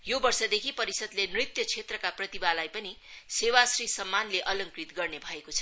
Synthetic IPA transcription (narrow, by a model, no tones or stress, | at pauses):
jobʌrsʌd̪ekʰipʌɾisʌd̪lenrit̪jʌt͡sʰet̪rʌkaprʌt̪ibalajpʌni | sewasrisʌmːanleʔʌlʌŋkrit̪ɡʌrnebʱʌekot͡sʰʌ̥